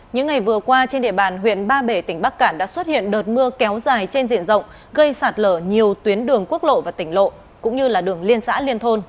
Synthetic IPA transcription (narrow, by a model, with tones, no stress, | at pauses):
ɲɨ̰˧˥ŋːa˨˩jvɨ˨˩əkwaː˧t͡ɕe˧nɗḭ˧˨əɓaː˨˩nɦwḭ˧˨ənɓaː˧ɓe˧˩t̪ï˧˩ŋ̟ɓa˦˥k̚kaː˧˩nɗa̰ː˧˥swə˦˥t̚hḭ˧˨ənɗəː˨˩t̚mɨ˧əkɛ˨˦wzaː˨˩jt͡ɕe˧nzḭ˧˨ənzə̰˧˨wŋ͡m | ɣə˧jsaː˨˩t̚ləː˧˩ɲi˨˩əwt̪wi˨˦ənɗɨ˨˩əŋku˦˥ək̚lo̰˧˨vaː˨˩t̪ï˧˩ŋ̟lo̰˧˨ | kʊ̰˧˥ŋ͡mɲɨ˧laː˨˩ɗɨ˨˩əŋli˧ənsa̰ː˧˥li˧ənt̪ʰo˧n